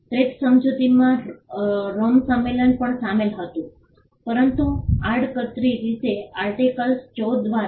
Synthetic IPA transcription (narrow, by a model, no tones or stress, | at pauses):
ʈɾet̪səmd͡ʒut̪imã | ɾomsəmːelənpəɳsamelɦət̪ũ | pəɾənt̪uaɽkət̪ɾiɾit̪eaɾʈikəlst͡ʃɔʋaɾ